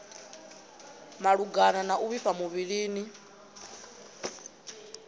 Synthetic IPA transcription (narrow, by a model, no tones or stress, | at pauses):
maɺuɡananaʔuβifamuβiɺiːni